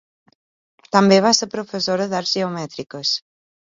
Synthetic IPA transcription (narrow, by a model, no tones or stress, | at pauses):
t̪ambeβaseɾpɾofesoɾɐðaɾʒeomɛt̪ɾikəs